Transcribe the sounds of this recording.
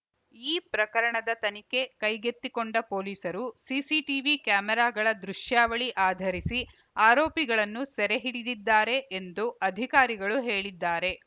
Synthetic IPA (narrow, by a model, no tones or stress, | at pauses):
iːpɾɐkɐɾɐɳɐd̪ɐt̪ɐnike̞kɐjɡet̪ːikoɳɖɐpo̞ːliːsɐɾusiːsiʈiʋikjaːmɛɾaːɡɐɭɐd̪ɾuʂjaːʋɐɭiʔaːd̪ʱɐɾisi | aːɾoːpiɡɐɭɐnːusɛɾeɦiɽid̪id̪ːaːɾe̞ʔːnd̪uɐd̪ʱikaːɾiɡɐɭuɦe̞ːɭid̪ːaːɾe̞